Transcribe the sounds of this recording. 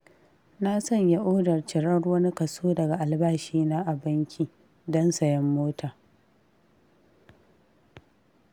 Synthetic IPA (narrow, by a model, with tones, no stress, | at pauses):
na˦sɐ˦˨ɲja˦ʔoː˦dɐ˨rt͡ʃɪ˨ɽɐ˦ɽwɐ˦ni˦kɐ˨soː˦dɐ˨ɡa˨ʔa˨lbaː˦ʃiː˦naː˦ʔa˨bɐ˦ŋkʲiː˨ | dɔ˦nsɐ˨jɐ˦mːoː˦taː˨